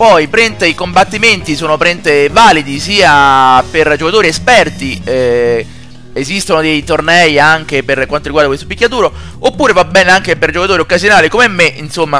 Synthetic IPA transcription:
pɔjpɾɛnt̪eikombat̪ːiment̪isoːnopɾɛnt̪evaːlid̪isiːaperd͡ʒokat̪oːɾiespɛrt̪iɛ | ezist̪onod̪ejt̪ornɛjaŋk̟eperkwant̪oɾiɡwaɾd̪kwest̪opikʲːat̪uːɾo | opːuːɾevabɛːneaŋk̟eperd͡ʒokat̪oːɾiokːazjonaːlikomɛmːeʔinsomːa

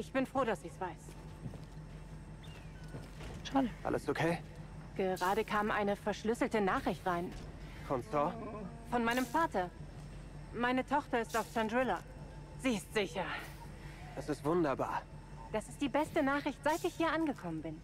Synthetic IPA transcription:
ʔɪçb̥ɪnfʁ̥oːɾasɪçsv̥aɪs | ʃaːdəʔa̰lʔə̰sokʰeː | ɡ̥əʁaːɾəkʰaːmʔa̰ɪnəfɛɐʃlʏsl̩tənaːχʁɪçtʁaɪn | fɔnsɔː | fɔnmaɪnəmfaːtɐ | maɪnətʰɔχtɐɪstaʊftʰandʁɪlɐ | z̥iːɪstz̥ɪçɐ | d̥asɪstv̥ʊndɐba̰ːɐ | d̥asɪst̚d̥iːbɛstənaːχʁ̥ɪçtz̥aɪtɪçhiːɐʔanɡəkʰɔmənbɪn

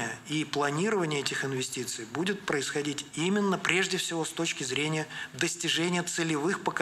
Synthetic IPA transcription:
jəiplˠɐnʲiɾəvənʲɪjəɛtʲɪxɪnvʲɪsʲtʲit̪sɨjbudʲɪt̪̚pɾəɪsxɐdʲitʲimʲɪnːəpɾʲeʐdʲɪfsʲɪvo̞st̪o̞t͡ɕkʲɪzɾʲenʲɪjəd̪əsʲtʲɪʐɛnʲɪjət̪sɨlʲɪvɨxpək

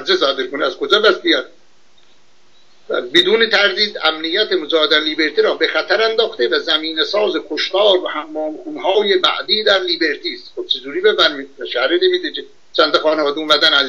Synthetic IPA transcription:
ɾzesɒːd̪eɾkoniæz̥kod͡ʒɒːbæst̪ijæt̪ | æ̰bed̪uːnet̪ʰæɾd̪iːd̪æmnijːæt̪ʰemod͡ʒɒːhed̪ænliːbe̞ɾt̪iɾɒːbexæt̪ʰæɾænd̪ɒːxt̪evæzæmiːnesɒːzekʰoʃt̪ɒːɾvæhæmːɒːmxuːnɦɒːjebæ̰ʔd̪iːd̪æɾliːbe̞ɾt̪ʰiːst̪xob̚t͡ʃʰed͡ʒuːɾiːbebæɾmiæʃæhɾed̪ebiːd̪eke | t͡ʃʰænt̪ɑxɒːnevɒːd̪eunmæd̪ænæz

